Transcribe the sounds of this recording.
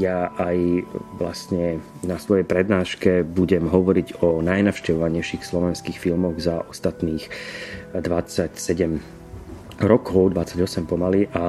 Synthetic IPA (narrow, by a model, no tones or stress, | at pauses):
jaʔajʋlast̪ɲɛ | nasʋɔjɛjpɾɛd̪naːʃkɛbuɟɛmɦɔʋɔɾiɟɔnajnaʊʃcɛʋɔʋaɲɛjʃixslɔʋɛnskiːxfilmɔɣzaʔɔst̪at̪niːx | d̪ʋat͡sacsɛɟɛm | ɾɔkɔʊd̪ʋat͡sːaɟɔsɛmpɔmaliʔa